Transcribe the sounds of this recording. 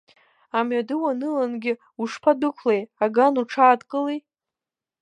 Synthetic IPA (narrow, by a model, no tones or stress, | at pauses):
amɥadɨwanɨlanɡʲɪ | uʂpʰadɨkʷʰlejaɡanuʈ͡ʂʰaːdkʼɨlej